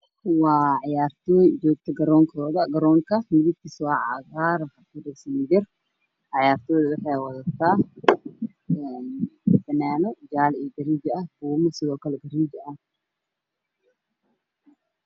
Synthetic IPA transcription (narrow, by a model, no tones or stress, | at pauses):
wɑːʕɑjaːrt̪ʰɔːjd͡ʒɔːɡ̚t̪ʰɐɡɐɾɔːŋkʰɔːðɐɡɐɾɔːŋkʰɐmɪðɪɡ̚k̪ʰisːʕɑ̰ɣaːɾħɑkɐrɛɡsɐmɪdɪr | ʕɑjaːrt̪ʰɔːðɐwɪħɑjwɐðɐt̪ʰaː | ɛnbɐnaːnɔd͡ʒaːlɛɡɐɾiːd͡ʒɐɐɡuːmɐsɪðɔːkʰɐlɛɡɐɾiːd͡ʒɐʔɐ